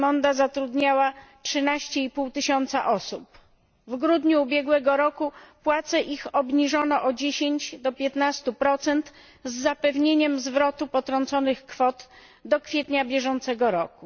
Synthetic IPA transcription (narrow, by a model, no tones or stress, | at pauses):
mɔnd̪azat̪ɾud̪ɲawatʂɘnaɕt͡ɕɛipuwt̪ɘɕɔnt̪sa̰ʔɔsup | vɡɾud̪ɲuːbʲjɛɡwɛɡɔɾɔkupwat̪sɛʔixɔbɲiʐɔnɔʔɔd͡ʑeɕeɲt͡ɕd̪ɔpʲjɛt̪nast̪upɾɔt̪sɛnt̪ | zːapɛvɲeɲɛmzvɾɔt̪upɔt̪ɾɔnt̪sɔnɘxkfɔt̪ | d̪ɔkfʲjɛt̪ɲabʲjɛʐɔnt̪sɛɡɔɾɔku